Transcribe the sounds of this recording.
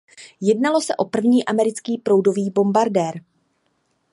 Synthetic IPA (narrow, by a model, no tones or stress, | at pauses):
jɛdnalo̞sɛʔo̞pr̩vɲiːʔamɛɾɪt͡skiːpɾo̞wdo̞viːbo̞mbaɾdɛːɾ